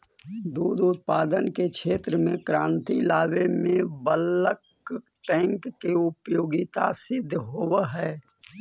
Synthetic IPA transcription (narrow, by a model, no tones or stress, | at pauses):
d̪uːd̪ʊt̪̚paːd̪ənkekʃeːt̪ɾəmẽkɾãːnt̪ilaːʋemẽbələk | ʈɛ̃ːŋkːeʊpjoːɡɪt̪asɪd̪ʱːɦoːʋɦɛː